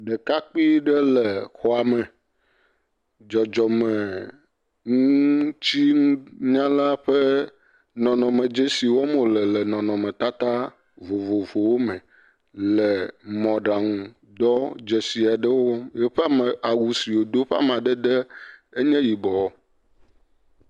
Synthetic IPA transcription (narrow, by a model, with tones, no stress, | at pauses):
ɖɛ˨ka˦k͡pi˦ɖɛ˦lɛ˨xɔ˦a˨mɛ˨ | d͡ʒɔ˨d͡ʒɔ˨mɛ˨ | ŋũ˦t͡ɕi˦ŋũ˦ɲã˦la˦ɸɛ˦ | nɔ̃˨nɔ̃˨mɛ̃˨d͡ʒe˦si˨wɔ˦mo˨lɛ˨lɛ˨nɔ̃˨nɔ̃˨mɛ̃˨t̪a˦t̪a˦ | vo˨vo˨vo˨wo˦mɛ̃˨ | lɛ˨mɔ̃˨ɖa˨ŋũ˨ | d̪ɔ˦d͡ʒɛ˨si˨a˨ɖɛ˦wo˦wɔ˦mjɛ˦ɸɛ˦a˦˨mɛ˨ʔa˨wu˦˨si˨wo˨d̪o˦ɸa̰˦m˨ã˨ɖɛ˦ɖ̪ɛ˦e˦ɲɛ̃˦ji˨bɔ˨wɔ˦